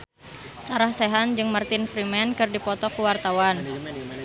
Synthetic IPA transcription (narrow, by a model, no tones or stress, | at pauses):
saɾahsɛɦand͡ʒɨŋmərt̪ɪnfɾimɛnkɨrdipɔt̪ɔkuwart̪awan